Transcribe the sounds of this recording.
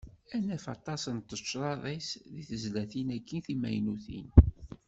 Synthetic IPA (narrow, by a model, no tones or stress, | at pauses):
ænæfɑ̰t̪ˤɑsənt̪ːət͡ʃːɾˤɑðˤisðiθəzlæθinækːinθimæjnuθḭn